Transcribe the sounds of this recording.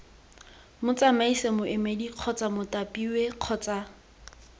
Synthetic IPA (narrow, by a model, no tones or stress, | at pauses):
mʊt͡sʼamaisemʊʔemediq͡χʰɔt͡sʼamʊtʼapʼiweq͡χʰɔːt͡sʼa